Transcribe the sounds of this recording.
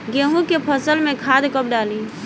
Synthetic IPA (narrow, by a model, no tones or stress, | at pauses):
ɡeɦũkepʰəsəlmẽkʰad̪kəp̚ɖali